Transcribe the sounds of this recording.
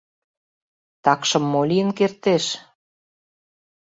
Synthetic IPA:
t̪ɑkʃɤ̆mːoliənkert̪eʃ

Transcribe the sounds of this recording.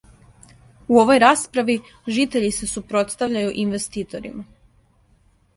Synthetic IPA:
uo̞ʋo̞jɾaːspɾaʋi | ʒiːt̪e̞ʎise̞supɾo̞t̪st̪aʋʎajuʔinʋe̞st̪iːt̪o̞ɾḭma

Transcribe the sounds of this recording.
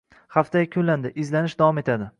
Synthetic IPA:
haft̪ʰajkʲʰʊland̪ɪʔɪzlanɪʃd̪avɒme̞t̪ʰad̪ɪ

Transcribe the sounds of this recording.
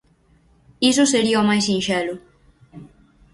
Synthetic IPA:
is̬ʊseɾiɐomajsĩnʃɛlʊ

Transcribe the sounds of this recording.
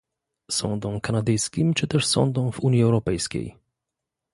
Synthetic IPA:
sɔ̰nd̪ɔ̃w̃kanad̪ɘjskʲimt͡ʂɘt̪ɛʂsɔ̰̃nd̪ɔ̃wvuɲjiɛwɾɔpɛjskʲḛj

